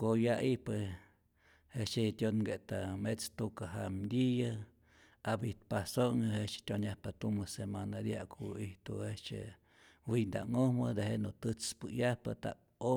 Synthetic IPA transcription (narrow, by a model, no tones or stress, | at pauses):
kojaihpɨ | het͡ʃet̪ʲonɡet̪amet͡st̪ukaɦamd̪ʲija | abit̪pasoŋahet͡ʃt̪ʲjonjahpat̪umɨsemanad̪jakʰuiht̪ṵet͡ʃḛ | wind̪a̰ŋohmɨd̪eheʔnot̪ɨt͡spɨjahpɨ̰t̪a̰k | o